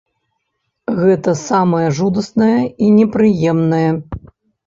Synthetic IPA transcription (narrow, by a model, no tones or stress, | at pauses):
ɣɛt̪ɐsamɐjɐʐud̪ɐsnɐjɐinʲɛpɾɨjɛmnɐjɛ